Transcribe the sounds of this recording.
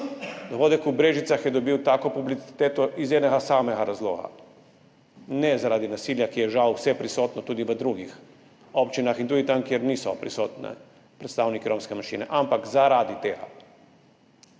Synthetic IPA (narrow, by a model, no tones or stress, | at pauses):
d̪oʋoːd̪ɛkubɾeːʒit̪saxjɛd̪ɔbiwt̪aːkopublit̪si̥t̪eːt̪ɔʔizjɛd̪nɛɡasaːmɛɡaɾazlo̰ːɡa̰ | nɛzaɾaːd̪inasiːljakijɛʒawsɛpɾisoːt̪nɔt̪uːd̪iʋəd̪ɾuɡix | opt͡ʃinaxint̪uːd̪it̪amkjɛɾniːsɔpɾisoːt̪nɛ̰ | pɾɛt̪st̪aːwnikiɾomskɛmaʃḭːnɛ̰ʔampakzaɾad̪it̪eːɡa̰